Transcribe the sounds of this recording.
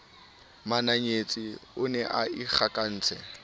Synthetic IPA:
manaɲet͡sʼiʊnɛʔaik͡xʰakʼan̩ːt͡sʰɛ

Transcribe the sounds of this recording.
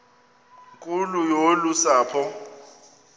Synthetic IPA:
ŋkʼulujolusaːpʰɔ

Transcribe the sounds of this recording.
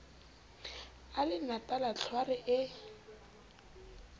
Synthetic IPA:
alɪnatʼalat͡ɬʰwarɪʔɪ

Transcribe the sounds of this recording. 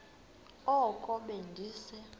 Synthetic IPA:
ɔkʼɔɓendʱiːsɛ

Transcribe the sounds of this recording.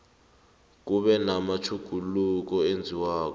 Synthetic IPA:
k̬uɓɛnamat͡ʃʰuɡ̥ʱuluk̬ɔend͡zʱiwaːk̬ɔ

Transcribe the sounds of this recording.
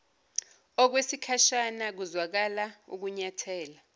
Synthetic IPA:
ɔk̬wesikʰaʃanak̬uzwak̬alaṵk̬uɲatʰɛːla

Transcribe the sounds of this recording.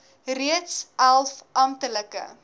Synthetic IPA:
riətsælˠfɐmtələkə̰

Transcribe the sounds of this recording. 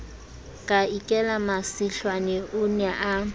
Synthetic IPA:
kʼaikʼɛlamasiɬwanɛʔʊnɛʔa

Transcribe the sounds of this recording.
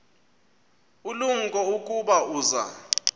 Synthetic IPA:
uluŋ̩kʼɔukʼuɓauːza̰

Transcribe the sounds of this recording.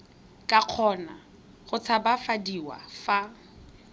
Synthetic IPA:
kʼaq͡χʰɔna̰ | ɣʊt͡sʰabafadiwa̰fa

